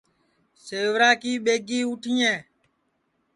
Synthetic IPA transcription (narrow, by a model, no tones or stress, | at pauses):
seːʋɾaːkiːɓeːɡiːuːʈʰiːẽː